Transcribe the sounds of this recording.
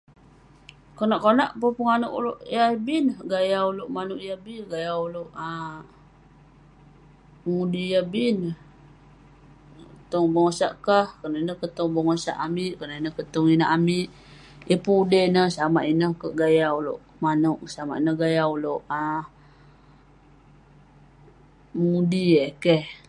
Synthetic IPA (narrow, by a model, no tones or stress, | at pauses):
konaʔkonaʔpəpəŋanuʔṵloʔjaibinəɡajauloʔmanuʔjabiɡajauloʔa | əŋudijabinə | t̪oŋbəŋosaʔkahkənainəhkət̪oŋbəŋosa̰ʔamiʔkərnainəkət̪oŋinəʔamiʔ | ʔipuudənəsamaʔinəhkəʔɡajawloʔ | manuʔsama̰ʔinəhɡajawloʔa | məŋudiekeh